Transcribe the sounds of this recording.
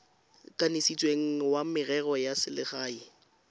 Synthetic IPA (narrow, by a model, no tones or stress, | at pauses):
kʼanesit͡sʼweŋ̩wamɪrɛɣɔjasɪlɪχaːi